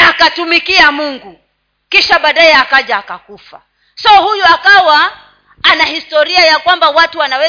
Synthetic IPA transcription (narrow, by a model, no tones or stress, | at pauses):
akatumikiamuŋɡu | kiʃaɓaːɗajɛakaʄaːkakufa̰ | sɔhujuakawa | anahistɔɾiajakwambawatuwanawɛ